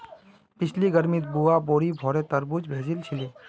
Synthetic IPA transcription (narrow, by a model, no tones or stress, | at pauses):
pɪt͡ʃʰliɡɐɾmit̪̚buaboːɾibʱɔːɾet̪ɐɾbud͡ʒbʱeːzilt͡ʃʰɪleː